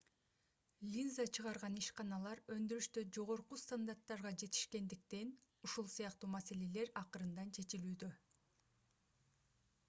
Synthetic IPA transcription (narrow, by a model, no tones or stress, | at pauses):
lʲinzat͡ʃʰɯʁɑɾʁɑniʃqɑnɑlˠɑɾø̞nd̪yɾyʃt̪ød͡ʒo̞ʁo̞ɾqust̪and̪art̪ːɑɾʁɑd͡ʒe̞t̪i̥ʃke̞nd̪ik̚t̪e̞n | uʃulˠsijɑqt̪uːmase̞le̞le̞ɾɑqɯɾɯnd̪ɑnt͡ʃʰe̞t͡ʃilyːd̪ø̞